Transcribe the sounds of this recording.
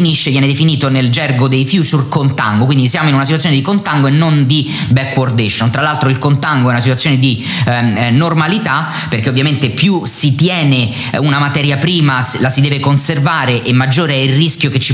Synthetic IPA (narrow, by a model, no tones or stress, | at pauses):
iniʃːevjɛːned̪efiniːt̪oneld͡ʒɛrɡod̪ejfjut͡ʃurkont̪a̰ŋɡokwind̪isjaːmoinunatsit̪wt̪sːjoned̪ikont̪aŋɡoenːond̪i | bɛkːword̪eʃont̪ɾalalt̪ɾoilkont̪aŋɡoɛunasit̪wat̪sːjoːned̪i | normalit̪a | perkeovːjament̪epjusit̪jɛːne | unamat̪ɛːɾjapɾiːmalasid̪ɛːvekonservaːɾeʔemːad͡ʒːoːɾeɛilriskjoket͡ʃːi